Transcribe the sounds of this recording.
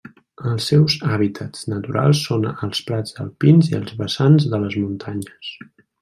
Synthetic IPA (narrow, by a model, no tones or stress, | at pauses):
əlˠsːɛwzaβ̞it̪ʰəznət̪uɾʔa̰lˠsːonəlˠspɾad͡zðəlˠpinziəlˠzβəsanzðələzmunt̪ʰaɲəs